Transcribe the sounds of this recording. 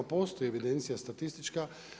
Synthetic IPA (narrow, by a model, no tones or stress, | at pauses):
apo̞ːst̪o̞jie̞ʋid̪e̞nt̪sijast̪at̪ist̪it͡ʃka